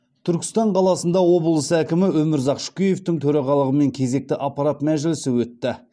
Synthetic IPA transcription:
t̪ʰʏɾkʲɪ̥st̪ɑɴqʰɑlˠɑsənd̪ɑwo̞bəlˠəsəækʲɪmɪɵmɪɾzɑqʃʊ̥kʲije̞ft̪ɪŋt̪ʰɵɾɑʁɑlˠəʁəme̞ŋkʲʰe̞ze̞k̚t̪ɪʔɑpːɑɾɑt̪mæʒɪlɪsɪwɵt̪ːɪ

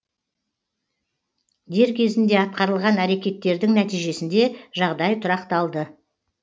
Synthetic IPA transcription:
d̪e̞ɾkʲʰe̞zɪnd̪e̞ɑt̪̚qɑɾəlˠʁɑnæɾe̞kʲe̞t̪ːe̞ɾd̪ɪŋnæt̪ijʒe̞sɪnd̪e̞ʒɑʁd̪ɑjt̪ʰʊɾɑqt̪ɑlˠd̪ə

